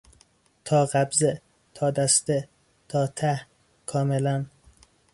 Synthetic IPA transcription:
t̪ʰɒːɢæbze | t̪ʰɒːd̪æst̪e | t̪ʰɒːt̪ʰæh | kʰɒːmelæn

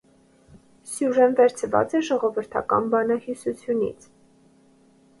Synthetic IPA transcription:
sjuʒɛnvɛɾt͡sʰvɑ̰t͡sɛʒɔʁɔvəɾt̪ʰɑ̰kɑ̰nbɑnɑhisut͡sʰjunḭt͡sʰ

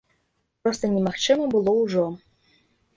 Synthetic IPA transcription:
pɾost̪ənʲɛmaxt͡ʃɨməbɨlˠouʐo

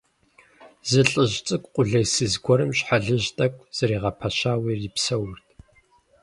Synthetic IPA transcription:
zɨɬʼɨʒt͡sʼɨkʷʼqʷʼʊɮɐjsɨzɡʷɔɾɨmɕħaɮɨʑtʼɐkʷʼz̥ɐɾiːʁɐpʰɐʃaːwiːripsɐwʊrtʰʼ

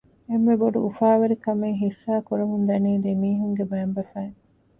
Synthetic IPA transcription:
emːeboɖuʔufaːʋɐɾikɐmeŋɦifːæːkuɾɐɦund̪ɐniːd̪emiːɦuŋɡebæːmbɐfæːŋ

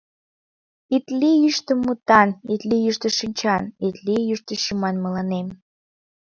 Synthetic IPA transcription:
it̪liyʃt̪ə̆mːut̪ɑnit̪lijyʃt̪ə̆ʃinʲt͡ɕɑnit̪lijyʃt̪ə̆ʃumɑnmə̆lɑnem

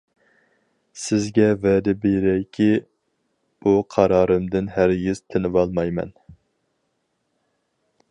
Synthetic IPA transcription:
sɪzɡʲɛvɛd̪ɪbeɾɛkʲʰi | b̥uqʰɑɾɑːɾɨmd̪ɪnæɾjyz̥t̪ʰɪnɪvɑlˠmɑjmɛ̰n

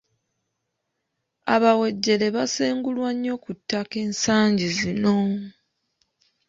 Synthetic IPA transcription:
a̰βawe̞ɟːe̞le̞βaseːŋɡulwaɲːo̞kutːake̞ːnsaːɲɟizino̞

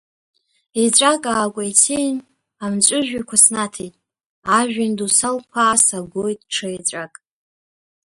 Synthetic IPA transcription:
et͡ɕʷʼakʼaːkʷʼajt͡sʰin | amt͡ʃʷʼʊʒᶣakʷʰasnatʰejtʼ | aʒᶣandusalkʷʰaːsaɡʷojtʼʈ͡ʂʰɨet͡ɕʷʼakʼ

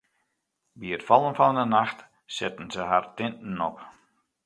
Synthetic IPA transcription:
biətfɔlˠənfɔnənaxt | sɪtən̩zəɦartɪntn̩ɔp

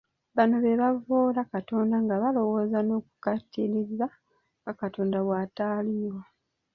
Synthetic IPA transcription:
βano̞βe̞βavoːlakato̞ːndaŋɡaβalo̞wo̞ːzano̞ːku̥katʰːiɾiza | ŋɡakatoːndaβwaːtaːliːwa

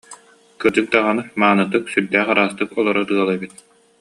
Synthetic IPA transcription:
kɯd͡ʑɯk̚d̪aʁanɯmaːnɯt̪ɯksyɾd̪ɛːχaɾaːst̪ɯkɔlˠɔɾɔt̪ɯɐlˠabit̪̚

